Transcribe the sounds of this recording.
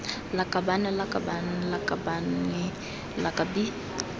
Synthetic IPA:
lakabanɛlakabanlakabani | lakabi

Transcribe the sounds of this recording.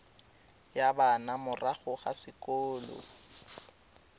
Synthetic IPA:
jabanamʊraɣʊχasɪkɔːlɔ̰

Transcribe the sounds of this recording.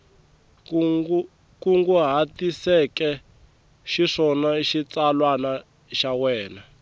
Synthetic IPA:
kuŋɡuɦatisɛkɛ | ʃiʂɔnaiʃit͡salwana | ʃawɛːna

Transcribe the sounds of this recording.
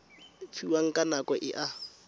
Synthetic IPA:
fʰiwaŋ̩kʼanakɔʔɪ̰ʔa

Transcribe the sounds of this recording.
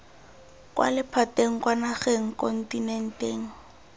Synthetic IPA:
kʼwʔa̰lɪpʰateŋ̩kwanaχeŋ̩kɔn̩tinɛn̩teːŋ̩

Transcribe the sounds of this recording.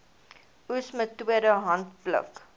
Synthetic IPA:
usmətːwiədəɦɐnt̚plə̰k

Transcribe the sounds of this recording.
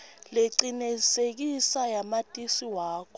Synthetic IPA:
leǀinɛsek̬isajamatʼisiwaːkʰɔ

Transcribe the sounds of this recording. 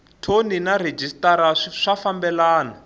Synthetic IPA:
tʰoninared͡ʒʱistaɾaʂʂafambɛlaːna

